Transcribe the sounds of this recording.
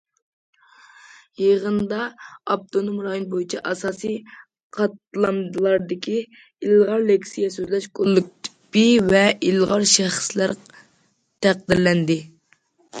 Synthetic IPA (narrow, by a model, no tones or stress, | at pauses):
jeʁənd̪ɑɑp̚t̪ʰonomɾɑːjinbojit͡ʃʰiʔɑsɑːsij | qʰɑt̪lˠɑmd̪ɨlˠɑɾd̪ɪkʲʰi | ilʁɑɾlekʲsijɛsøzlɛʃkʰolˠːɨk̪̚ | b̥ivɛilʁɑɾʃɛχə̥slæɾ | t̪ʰæqd̪ɪɾlɛnd̪ɪ